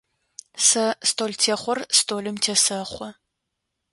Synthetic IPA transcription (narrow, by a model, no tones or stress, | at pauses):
sɐstʰoːltʰeːχʷɔrstʰoːlɨmtʰeːsɐχʷɔ